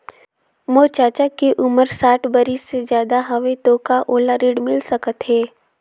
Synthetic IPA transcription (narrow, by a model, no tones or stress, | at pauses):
moːt͡ʃaːt͡ʃakeʔʊməɾsaːʈʰbəɾisezjaːd̪aɦɐʋet̪oːkaʔoːlaɾiːɽmɪlsəkət̪ɦɛː